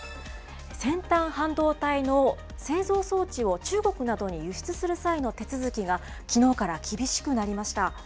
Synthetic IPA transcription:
sẽ̞nt̪ãɰ̃hãnd̪o̞ːt̪aino̞ | se̞ːzo̞ːso̞ːt͡ɕio̞t͡ɕɨːɡo̞kɯ̟nad̪o̞ɲ̟ijɯ̟ɕi̥t͡sɨsɨɾɯ̟saino̞t̪e̞t͡sɨzɨkʲiɡa | kʲino̞ːkaɾakʲʰibʲiɕi̥kɯ̟naɾʲimaɕi̥t̪a

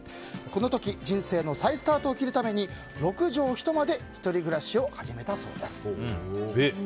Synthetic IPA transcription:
ko̞no̞t̪o̞kʲid͡ʑĩɰ̃se̞ːno̞saisɨ̥t̪aːt̪oːkʲiɾɯ̟t̪ame̞ɲ̟i | ɾo̞kɯ̟ʑo̞ːçi̥t̪o̞mad̪e̞çi̥t̪o̞ɾʲiɡɯ̟ɾaɕio̞haʑime̞t̪aso̞̰ːd̪esɨ̥ | e

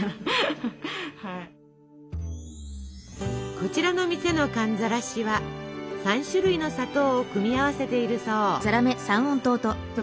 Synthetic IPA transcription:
hai | ko̞t͡ɕiɾano̞mʲise̞no̞kãnd͡zaɾaɕiβasãɰ̃ɕɨɾɯ̟ino̞sat̪o̞ːokɯ̟mʲiaβase̞t̪e̞iɾɯ̟so̞ːzaɾame̞sãɰ̃õnt̪o̞ːt̪o

